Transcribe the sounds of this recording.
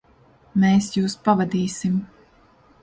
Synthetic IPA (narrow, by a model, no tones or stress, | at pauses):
meːsjuːspavad̪iːsim